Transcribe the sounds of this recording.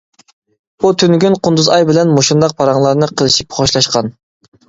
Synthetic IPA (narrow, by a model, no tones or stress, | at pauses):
but̪ʰynɡʲynqʰʊnd̪uzɑjbɪlɛnmoʃund̪ɑq̚pʰɑɾɑŋlˠɑɾnɨqʰəlˠɨʃipχoʃlˠɑʃqɑn